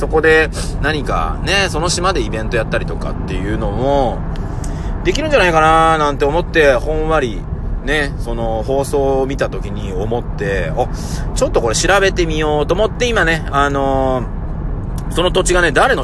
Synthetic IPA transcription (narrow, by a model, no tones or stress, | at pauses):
so̞ko̞d̪e̞ | naɲ̟ika̰ne̞so̞no̞ɕimad̪e̞ibẽ̞nt̪o̞jat̪ːaɾʲit̪o̞ka̰t̪ːe̞̰jɯ̟ːno̞mo̞ | d̪e̞kʲiɾɯ̟ɲ̟d͡ʑanaikananãnt̪e̞omo̞t̪ːe̞hõ̞ɰ̃βaɾʲi | ne̞so̞no̞ho̞ːso̞ːmʲit̪at̪o̞kʲiɲ̟io̞mo̞t̪ːe̞ot͡ɕo̞t̪ːo̞ko̞ɾe̞ɕiɾabe̞t̪e̞mʲijo̞ːt̪o̞ːmo̞t̪ːe̞imane̞ano̞ | so̞not̪o̞t͡ɕiɡane̞d̪aɾe̞no